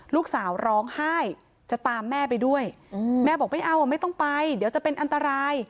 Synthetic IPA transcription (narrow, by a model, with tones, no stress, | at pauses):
luː˥˩k̚saː˩˦wɾɔː˦˥ŋhaː˥˩j | t͡ɕa˨˩t̪aː˧mːɛː˥˩p̬a˧jdu˥˩əj | mɛː˥˩bɔː˨˩k̚ma˥˩jʔa˧˩wa˧˩ma˥˩jt̪ɔ˥˩ŋpa˧jdi˩˦əwt͡ɕa˨ʔpe˧nʔa˧nt̪a˧ɾaː˧j